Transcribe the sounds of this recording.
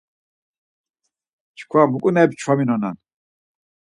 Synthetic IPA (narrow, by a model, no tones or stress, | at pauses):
t͡ʃʰkʰwamukʼunɛpt͡ʃʰwaminɔna̰n